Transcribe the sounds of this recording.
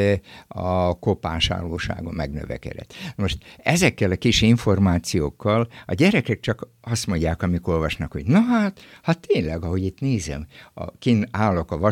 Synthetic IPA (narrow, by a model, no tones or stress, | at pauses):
ɒkopaːʃa̰ːloːʃa̰ːɡomɛɡnø̰vɛ̰kɛ̰d̪ɛ̰t̪moʃt̪ɛzɛkːɛlɒkiʃiɱfo̞rmaːt̪sijoːkːɒlɒɟɛɾɛkɛk̚t͡ʃɒk | ɒst̪mo̞ɲɟːaːkɒmiko̞lvɒʃnɒkhoɟnoɦaːt̪hɒt̪ːeːnlɛɡɒɦo̞ɟit̪neːzɛ̰mɒ̰kinaːlo̞kɒvɒ